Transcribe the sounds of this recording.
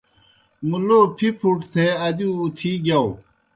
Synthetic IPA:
muloːpʰipʰuʈt̪ʰeɐd̪uːt̪ʰiːɡjɐw

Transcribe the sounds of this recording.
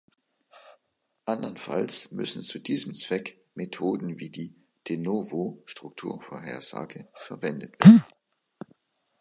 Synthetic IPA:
ʔandɐnfa̰lsmʏ̰sn̩t͡sudiːzəmt͡sv̥ɛk | metʰoːdn̩viːdiː | d̥enovoʃtʁ̥ʊk̚tʰuːɐfoɐɦeːɐz̥a̰ːɡəfɛɐvɛndətv̥eːɐdn̩

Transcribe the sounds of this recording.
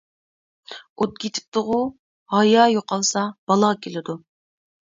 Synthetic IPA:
ot̪̚kʲʰet̪ʰɪ̥p̚t̪ʊʁʊ | hɑjɑːjoqɑlˠsɑb̥ɑlˠɑkʲʰelɪd̪u

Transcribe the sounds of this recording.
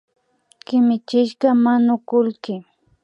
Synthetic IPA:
kɪmɪt͡ʃɪʃkamanʊkʊlkɪ

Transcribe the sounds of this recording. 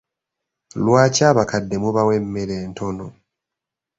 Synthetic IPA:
lwaːcaːβakʰadːe̞muβawemːeɾeːntʰo̞no̞

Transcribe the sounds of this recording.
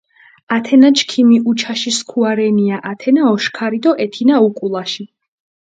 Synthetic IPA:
at̪ʰɛnat͡ʃʰkʰimiʔut͡ʃʰaʃiskʰuaɾɛniaʔat̪ʰɛnaɔʃkʰaɾid̪ɔʔɛt̪ʰinaukʼulˠaʃi

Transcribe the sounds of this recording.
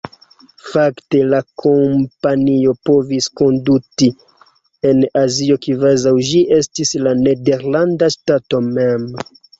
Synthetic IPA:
fakte̞lakʰompanio̞po̞visko̞nduti | e̞nazio̞kivazawʒiʔe̞stislane̞de̞ɾlandastato̞mem

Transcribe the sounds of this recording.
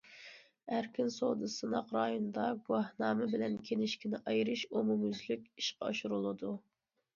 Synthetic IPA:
æɾkʲynsoːd̪ɨsɨnɑqɾɑjond̪ɑɡuɑhnɑːmɛbɪlɛnkʲʰenɪʃkʲinɪʔɑjɾɨʃomumyzlykʲiʃqɑɑʃuɾulˠɨd̪u

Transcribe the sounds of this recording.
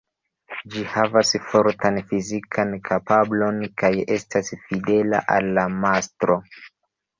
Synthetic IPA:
d͡ʒihavasfoɾtanfizikʰankʰapablo̞nkaje̞stʰasfide̞la̰ʔalːamastɾo̞

